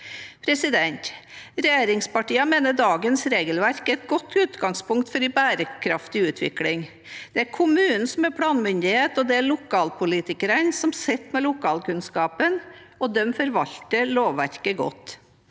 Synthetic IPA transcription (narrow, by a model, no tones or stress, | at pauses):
pʰɾɛsɪd̪ɛnt̪ɾɛjeːɾɪŋspɑʈiːɑmeːnəd̪ɑːɡənsɾeːɡəlʋæɾkæɛt̪̚ɡɔt̪ːʉːt̪ɡɑŋspʊŋkt̪fɔɾɪbæːɾəkʰɾɑft̪ɪʉːt̪ʰʋɪ̰klɪŋ | d̪̥ɛæɾkʰʊmʉːnn̩sɔmæpʰɽɑːnmʏnd̪ɪheːt̪ɔd̪ɛæɾɭʊkʰɑːlpʰʊliːt̪ɪkəɾənsɔmsɛt̪ːmɛlʊkʰɑːlkʉnskɑːpən | ɔd̪ɛmfɔɾʋɑʎt̪əloːʋʋæɾkəɡɔ̰t̪ː